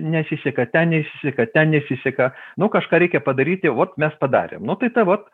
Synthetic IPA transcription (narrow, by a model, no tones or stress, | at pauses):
nʲɛsʲɪsʲɛkɐt̪ʲɛnnʲɛsʲɪsʲɛkɐt̪ʲɛnnʲɛsʲɪsʲɛkɐnʊkɐʃkɑːɾʲɛɪkʲɛpɐd̪ɐɾʲiːt̪ʲɪʋoːt̪mʲɛspɐd̪ɑ̰ːɾʲḛmnʊt̪ɐɪt̪ɐʋot̪